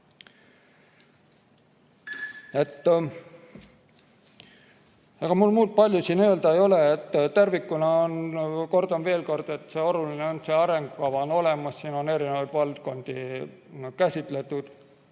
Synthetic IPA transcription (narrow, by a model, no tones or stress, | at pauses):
e̞t̪ː | ɑɡ̥ɑmulmuːlt̪̚pɑlʲjusiːnø̞ːld̪ɑejo̞leːt̪ːt̪ærvikːˑunɑonko̞rd̪̥ɑnve̞ːlko̞rd̪̥e̞t̪ːˑseo̞lulineonse̞ɑɾe̞ŋɡ̥ukɑvɑono̞lemɑsːiːno̞ne̞ɾinevɑjd̪vɑlt̪ko̞nd̪̥i | kæsʲit̪ˑle̞t̪ːˑud̪̥